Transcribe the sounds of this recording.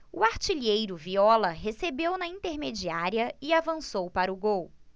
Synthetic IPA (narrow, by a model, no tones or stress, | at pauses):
uaɾt͡ʃiʎejɾʊviɔlɐɦesebewnɐĩnt̪eɾmed͡ʒiaɾiɐɪavɐ̃sowpaɾɐʊɡow